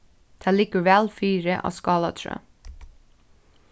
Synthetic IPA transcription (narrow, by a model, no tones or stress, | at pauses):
d̪̥ʰæːliːkəɹʋɛlfyːɾəʔɑ̰ːskɑːlɑt̪ʰɹø̰ː